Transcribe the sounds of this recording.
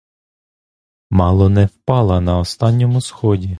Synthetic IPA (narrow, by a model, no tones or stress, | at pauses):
mɑlˠɔnɛwpɑlˠɐnɐɔst̪ɑnʲːɔmʊsxɔdʲi